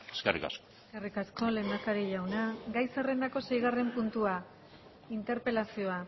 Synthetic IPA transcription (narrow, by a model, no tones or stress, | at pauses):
eskḛrḭka̰skoeskerikasko̞le̞ːnd̪akaɾiʎawnaɡajsere̞nd̪ako̞se̞jɣare̞mpunt̪ua | int̪e̞ɾpe̞lasio̞a